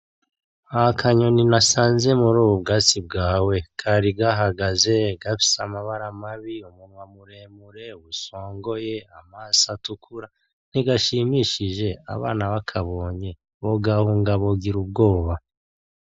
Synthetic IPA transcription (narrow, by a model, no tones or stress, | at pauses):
akʰaɲo̞ninasaːnze̞muɾuːβubɡaːt͡sib̚ɡaːwe̞kʰaɾiɡaɦaɡaze̞ɡafi̥samaβaɾamaβiumunwamuɾe̞ːmuɾe̞βuso̞ːŋɡo̞je̞amaːsatukʰuɾa | niɡaʃimiʃiʒe̞a̰βaːnaβakʰaβo̞ːɲe̞ | βoɡahuːŋɡaβo̞ɡiɾub̚ɡo̞ːβa